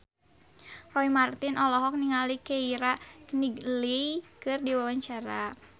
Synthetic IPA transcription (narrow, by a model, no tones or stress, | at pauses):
rɔimart̪inʔɔlɔɦɔk̚niŋalikɛiɾaniɡlikɨrdiwawaɲt͡ʃaɾa